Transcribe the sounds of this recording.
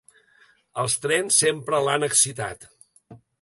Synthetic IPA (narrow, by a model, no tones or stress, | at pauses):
əlˠst̪ɾɛnsːempɾəlanəksit̪a̰t̪